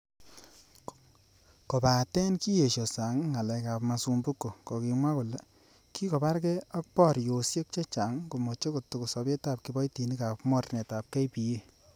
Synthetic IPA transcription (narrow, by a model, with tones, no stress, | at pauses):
kɔ˨pa˨tɛ˦nki˦je˨ʃo˨sa˨˦ŋːa˨lɛ˨ka˨pma˨su˧mbu˦kːo˨kɔ˨ki˧ŋwa˦ku˨le˨˦ | ki˦kɔ˨pa˦ɾkɛ˦ɔ˦k̚pɔ˦˨ɾjo˨sje˦k̚t͡ʃe˦t͡ʃa˨˦ŋku˨mo˨t͡ʃe˦ko˨tu˨ku˨sɔ˧pe˦ta˦˨p̚ki˨bɔ˦jti˨ni˦ka˨pmɔ˦rnɛ˨ta˨p̚kɛ˦jpi˨je˦